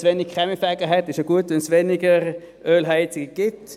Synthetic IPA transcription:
sʋeːnɪɡ̚kʁ̥ɛmifɛɡəɦɛtɪʃəɡ̥uətʊnsʋenɪɡəʁ | ʔøːlɦaɪt͡sɪɡəɡ̥ɪt

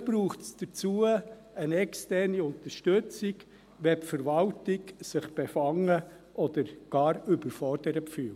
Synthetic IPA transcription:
b̥ɾuːχtsd̥ət͡suə | ənɛkstɛrniʊnt̪əɾʃtɵt͡sɪɡ | ʋɛpfəɾʋɑltɪɡsɪχb̥efɑŋə | ʔɔd̪̥əɾɡ̥ɑːɾʏbəɾfɔrd̥əɾəpfyːl

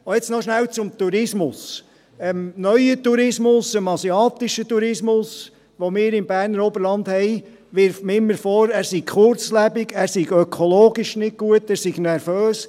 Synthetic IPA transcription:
ojɛt͡snɔʃnælt͡sʊmt̪uɾɪsmʊs | ɛmnœʏət̪uɾɪsmʊsəmɑsiɑːt̪ɪʃət̪uɾɪsmʊs | ʋomɪːɾɪmbæːɾnəɾobəɾlɑnd̪hɛɪ | ʋɪɾfmɪmːəɾfɔɾæːɾsik̚χʊɾt͡slæbɪɡæːɾsiɡœkʰɔloːɡiʃnɪɡ̚ɡuətːæːɾsiɡ̥nɛɾføːs

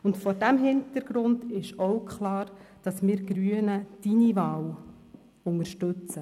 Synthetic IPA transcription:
ʊntfɔɾdæmɦɪntəɾɡ̥ɾʊndɪʃɔwkχlɑːɾd̥ɑsmɪːɾɡɾyənəd̥inivɑːw | ʊŋəɾʃtɵt͡sə

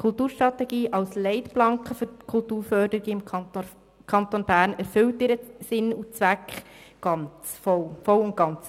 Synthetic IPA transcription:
kʰʊltuːɾʃtɾɑtɛɡiːʔɑlslɛɪtplɑŋkχəføkʰʊltuːɾfœɾdəɾɪɡəɪm | kʰɑntonbæːɾnæɾfʏltɪɾəsɪnut͡sʋækχɡ̥ɑnt͡sfɔfɔlʊnt̚ɡ̥ɑnt͡s

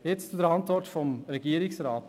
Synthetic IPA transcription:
jɛst̪t͡sud̪əɾɑnt̪ʋɔɾʈfɔmɾɛɡiːɾɪsɾɑːt̪

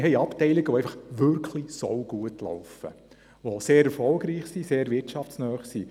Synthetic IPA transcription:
ɦɛɪɑptɛɪliɡ̥əʋoæɪfɑχʋʏɾkχlisɔwɡ̥uətlɔ̰ʊfə̰ | ʋoseːɾɛfɔlɡɾiːχsiseːɾvɪtʃɑftt͡snœːχsi

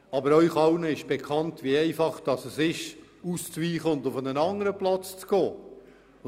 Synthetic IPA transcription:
ɑbəɾœʏχɑʊnəɪʃb̥ekʰɑntviɛɪfɑχd̥ɑsəsɪʃ | ust͡sʋiːχəʊntʊfənənɑŋəɾəplɑt͡st͡sɡ̥oː

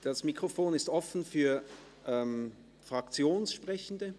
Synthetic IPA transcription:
d̥asmikʁ̥ofoːnɪstʔɔfn̩fyːɐ | ʔɛm | fʁ̥ak̚t͡sjoːnsʃpʁ̥ɛçn̩də

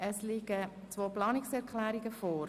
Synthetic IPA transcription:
əslɪɡ̥ə | t͡sʋoːplɑːnɪksɛɾkʰlæːɾiɡəfoːɾ

